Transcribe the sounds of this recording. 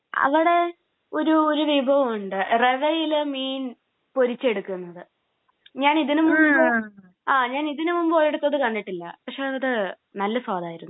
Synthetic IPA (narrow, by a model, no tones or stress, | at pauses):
ɐ̰ʋiɽe̞ | o̞ɾuoɾuʋibʱɐʋɐmuɳɖɨreʋɐjilɨmiːn | poɾit͡ɕːe̞ɽukːunːɐðɨ | ɲaːniðinɨmumːmo | aːɲaːniðinumumbo̞ːjeɽut̪ːɐðɨkɐɳɖiʈːilːɐ̰pɐkʂe̞ɐðɐðɨ | nɐlːɐswaːd̪aːjiɾunː